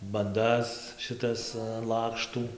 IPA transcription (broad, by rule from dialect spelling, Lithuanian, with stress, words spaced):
bɐnˈdɐs ʃʲɪˈtɐs ɐn ˈlˠɑːkʃtuː